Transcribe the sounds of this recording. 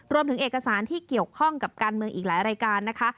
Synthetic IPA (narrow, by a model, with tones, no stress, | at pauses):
ɾu˧əmt̪ʰɯ˩˦ŋʔeː˨˩ka˧saː˩˦nt̪ʰiː˥˩ki˨˩əwkʰɔ˥˩ŋka˨˩p̚kaː˧nmɯ˧əŋʔiː˨˩laː˩˦jɾaː˧jkaː˧nːa˦˥kʰa˦˥